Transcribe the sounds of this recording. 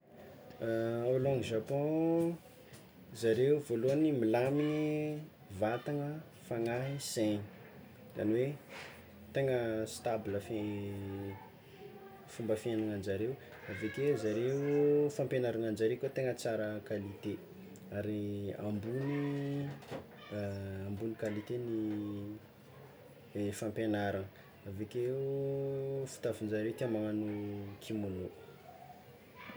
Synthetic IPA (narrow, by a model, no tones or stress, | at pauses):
olɔ̃ŋiʒapɔ̃ | zaɾeuvoluanimilami | vat̪aŋə | faŋaɦiseni | za̰niwe | t̪eŋəst̪abləfe | fumbəfenaŋand͡ʒaɾew | avek̪ezaɾeufãmpenaɾanand͡ʒaɾekʲot̪eŋət͡saɾəkalit̪e | aɾiambuni | ambunikalit̪eni | fãmpenaɾanə | avekeu | fu̥t̪avind͡ʒaɾewt̪iamaŋanukʰimolo